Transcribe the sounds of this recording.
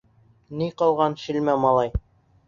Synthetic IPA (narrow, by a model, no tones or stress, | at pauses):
niqɑlˠʁɑnʃilmæmɑlˠɑj